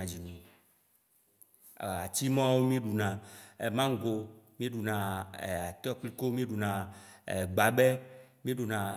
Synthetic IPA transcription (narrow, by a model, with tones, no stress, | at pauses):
ã˨d͡ʑi˨nĩ˨ | a˨t͡ɕi˦mã˦wo˦mĩ˦ɖu˨nã˨mã˦ŋ˦ɡo˨mĩ˦ɖu˨nã˨a˨t̪ɔ˦k͡pli˦ko˦mĩ˦ɖu˨nã˨ | ɡ͡ba˨bɛ˦mĩ˦ɖu˨nã˨